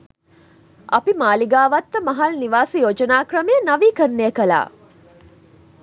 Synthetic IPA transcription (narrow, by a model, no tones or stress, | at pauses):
ʔɐpimaːliɡaːʋɐt̪ːəmɐɦɐlniʋaːsijoːd͡ʒɐnaːkrɐmejənɐʋiːkənːeːkɐla̰ː